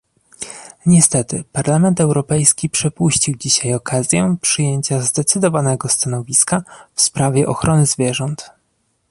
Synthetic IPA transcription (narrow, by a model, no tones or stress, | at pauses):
ɲɛst̪ɛt̪ɘpaɾlamɛnt̪ɛwɾɔpɛjskʲipʂɛpuɕt͡ɕiwd͡ʑiɕajɔkazʲjɛpʂɘjeɲt͡ɕazd̪ɛt̪sɘd̪ɔvanɛɡɔst̪anɔvʲiskafspɾavʲjɛʔɔxɾɔnɘzvʲjɛʐɔnt̪